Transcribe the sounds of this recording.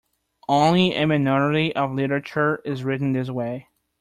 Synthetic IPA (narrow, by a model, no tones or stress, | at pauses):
ʔõʊ̃nliʔɨ̰mɨnɑɹɨɾiʔʌvlɪɾə˞ɨt͡ʃə˞ɪzɹɪʔn̩ðɪs̬weɪ